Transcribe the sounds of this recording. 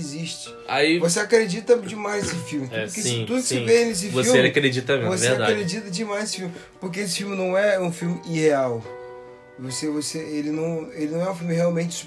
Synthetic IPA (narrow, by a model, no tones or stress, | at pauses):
ziʃt͡ʃɪ̥ | a̰ivos̬eakɾed͡ʒit̪ɐd͡ʒimajzesɪfiwmɪtkesĩt̪ud̪ʊkɪsẽvẽjnes̬ɪfvosiwmeelakɾed͡ʒit̪ɐɛmevosvead̪akɾed͡ʒit̪ɐd͡ʒimajzesɪ̥fiuwmɪ | poɾk̬ees̬ɪ̥fiwmɪnɐ̃w̃ɛũfiwmɪʔiheaw | vosevoseelɪnɐ̃w̃elɪnɐ̃w̃ɛũfiwmɪheawmẽnt͡ʃɪ̥s